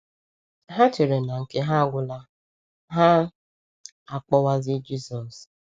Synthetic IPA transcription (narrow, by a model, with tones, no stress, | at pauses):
ɦa˦t͡ʃe˨ɾe˨na˨ŋ̩˨ke˦ɦa˦ɡʷʊ˦la˦ | ɦa˦ | a˨k͡pɔ˦wa˦zɪ˦d͡ʒi˦sɔ˨s